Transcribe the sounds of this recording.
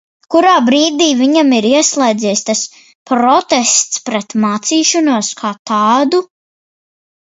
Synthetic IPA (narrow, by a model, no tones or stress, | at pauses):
kuɾaːbɾiːd̪iːviɲamiɾiɛslˠɛjd̪zijst̪as | pɾɔt̪ɛst̪spɾɛt̪maːt̪siːʃɔnuɔskʰaːt̪aːd̪u